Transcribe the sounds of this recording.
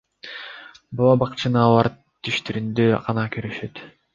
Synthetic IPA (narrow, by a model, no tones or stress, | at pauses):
bolˠɑbɑqt͡ʃʰɯnɯɑlˠɑɾ | t̪ʰːyʃt̪yɾynd̪øqɑnɑkøɾyʃøt̪